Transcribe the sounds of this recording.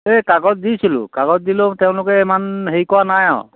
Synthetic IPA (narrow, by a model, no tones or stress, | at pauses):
ekaɡɔt̚disilʊ̰̃kaɡɔt̚dilʊtɛʊ̃lʊkɛɛmanɦejkɔwanaja̰ʊ̃